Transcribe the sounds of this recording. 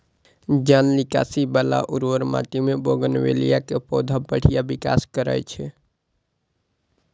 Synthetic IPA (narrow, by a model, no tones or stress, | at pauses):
d͡ʒanlika̰sibala̰ʔuɾwəɾma̰ʈ̪imeboɡənwelijakepɔd̪ʱabəɽ̤ijabika̰skəɾə̰jt͡ʃʰɛ